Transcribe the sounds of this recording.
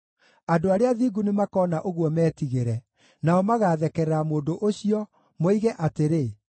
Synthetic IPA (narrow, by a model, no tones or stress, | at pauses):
adoaɾeaðiːɡunemakɔːnaʔoɣwɔmɛːtiɣeɾɛ | naɔmaɣaːðɛkɛɾɛɾamoːdoʔoɕiɔ | moiɣɛʔateɾe